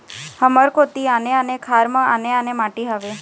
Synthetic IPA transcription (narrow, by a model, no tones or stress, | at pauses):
həməɾkot̪ianeənekʰaɾmə̃aneanemaʈiɦaʋe